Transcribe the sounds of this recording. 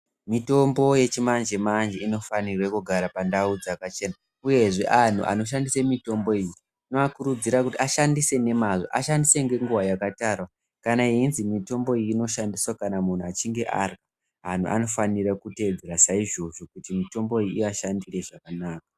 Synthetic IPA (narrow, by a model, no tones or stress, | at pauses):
mito̞mbo̞je̞t͡ʃimand͡ʒe̞mand͡ʒeino̞fanirwekuɡʱaɾapandaud͡zakat͡ʃe̞na | uje̞ʐe̞ʔan̤ṵʔa̰no̞ʃ̬andisemito̞mbo̞iji | noakuɾud͡ziɾakutiaʃandise̞ne̞mazo̞̰ʔa̰ʃandise̞ŋɡe̞ŋɡuwajakataːrwa | kanaiinzimito̞mbo̞iiːno̞ʃandiswakanamun̤uat͡ʃiŋɡe̞ʔa̰rka | ɦan̤ṵʔa̰no̞fanirakute̞d͡zeɾasaiʐo̞ʐo̞kutimito̞mbo̞ijiiaʃandire̞ʐakanaːk̚a